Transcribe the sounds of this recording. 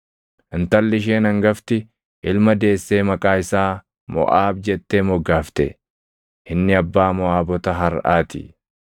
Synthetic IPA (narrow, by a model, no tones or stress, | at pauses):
ʔɪnt̪ɐlːɪʃ̬eːnɐŋɡɐft̪ɪ | ʔɪlmɐd̪e̞ːsːe̞ːmɐkʼaːɪsaː | mɔ̰ʔaːbd͡ʒɛt̪ːeːmɔɡːaːft̪ɛ̰ | ɪnːɪɐbːaːmɔaːbɔt̪ɐɦɐɾʔa̰ːt̪ɪ̰